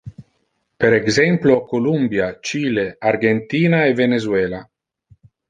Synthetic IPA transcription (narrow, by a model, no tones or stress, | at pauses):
peɾeɡzɛmplokolumbjat͡ʃiːleaɾɡent̪iːnaevenezweːla